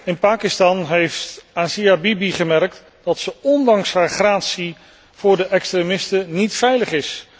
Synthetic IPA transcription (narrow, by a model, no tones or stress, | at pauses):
ɪnpaːkɪstɑnɦejftasiabibiχəmɛrk̚t | d̥ɑtsəɔndɑŋsɦaːɹχraːtsi | v̥ʊːɹdəʔɛkstremɪstənitfɛjləχɪs